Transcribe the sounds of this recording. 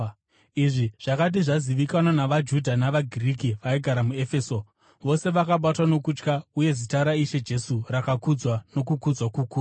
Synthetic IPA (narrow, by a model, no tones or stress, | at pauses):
iʐiʐ̥akat̬iʐaziʋikananaʋad͡ʒudʱanaʋaɡʱirikiʋaiɡʱaɾamue̞fe̞ːso̞ | ʋo̞se̞ʋakaɓatwano̞kut͡ʃkauje̞zitaɾaiʃe̞d͡ʒe̞surakakud͡zwano̞kukud͡zwakukuːa